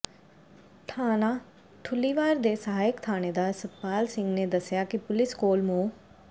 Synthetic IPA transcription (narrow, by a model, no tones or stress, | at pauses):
ʈʰaːnaː | ʈʰʊlːiːʋaːɾd̪eːsəɦaːjɪkt̪ʰaːñeːd̪aːsəpaːlsɪ̃ŋɡneːd̪əsjaːkɪpʊlɪskoːlmõː